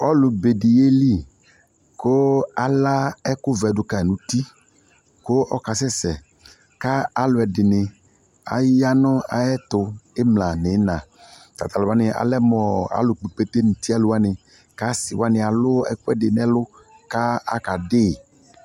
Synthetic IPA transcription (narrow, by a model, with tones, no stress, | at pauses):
ɔ˦lʊ˨be˨di˨e˦li˦˨ | kʊ˦a˨la˦ɛ˦kʊ˦vɛ˨dʊ˨ka˨ɛ˨nũ˨˦t̪i˦ | ko˦ʔɔ˦ka˨sɛ˦sɛ˨ | ka˦a˨lʊ˨ɛ˨dɪ˨nɪ˨ | a̰˨ja˦nɔ˦a̰˨jɛ˦t̪ʊ˨ɪ˦mlã˨nɪ˨˦nã˨ | t̪a̰˨t̪a˨lʊ˨a˦nɪ˨ʔa̰˨lɛ˦mɔ˨a̰˨lʊ˨k͡pe˨k͡pe˦t̪e˦nu˨t̪i˦a˦˨lʊ˨˦a˦nɪ˨ | ka˦sɪ˨wa˦nɪ˨a˨lʊ˦ɛ̰˦kʊ˦ɛ˦dɪ˨n˨˦ɛ˦lʊ˦ | ka˦a̰˦ka˨dɪː˦˨